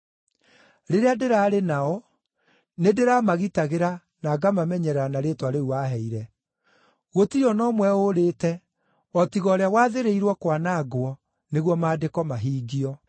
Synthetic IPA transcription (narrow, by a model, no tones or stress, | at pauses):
ɾeɾeadeɾaːɾenaɔ | nedeɾamaɣitaɣeɾa | naːɡamamɛɲɛɾɛɾanaɾeːtwaɾeuaɦɛiɾɛ | ɣotiɔnɔmwɛoɾeːtɛ | ɔtiɣɔːɾeawaðeɾeiɾwɔkwanaɡwɔ | neɣwɔmaːdekɔmaɦiːɡiɔ